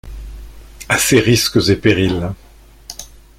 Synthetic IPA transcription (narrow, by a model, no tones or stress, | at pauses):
aseʁiskəzepeʁil